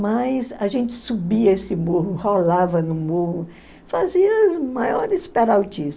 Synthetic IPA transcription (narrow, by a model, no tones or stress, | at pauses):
majzɐʒẽnt͡ʃɪ̥subiɐesɪmohʊholavɐnʊmohʊ | faziɐzmajɔɾɪspɛɾawt͡ʃis